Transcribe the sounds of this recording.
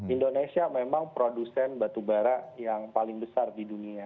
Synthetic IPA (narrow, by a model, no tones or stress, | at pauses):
indonesiamemaŋpɾodusɛnbat̪ubaɾaʔjaŋpalɪŋbəsardidunia